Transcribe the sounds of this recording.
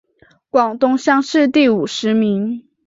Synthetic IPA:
kwɑ˨˩ŋt̪ʊ˥ŋɕjɑ˥˧ŋʂɻ̩˥˧t̪i˥˩u˨˩ʂɻ̩˧˥mi˧˥ŋ

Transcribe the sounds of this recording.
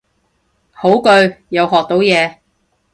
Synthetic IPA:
ho˨˥wkɵ˧ɥjɐ˨˧wɦɔː˨k̚t̪o˨˥wjɛː˨˧

